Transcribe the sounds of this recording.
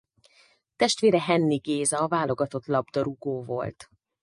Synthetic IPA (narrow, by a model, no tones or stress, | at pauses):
t̪ɛʃt̪ʋeːɾɛɦɛnːiɡeːzɒvaːlo̞ɡɒt̪o̞t̪lɒbd̪ɒɾuɡoːvo̞̰lt̪